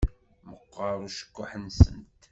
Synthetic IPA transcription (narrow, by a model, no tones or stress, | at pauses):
məqːɑɾˤuʃə̥kʷːʊħənsə̰nt̪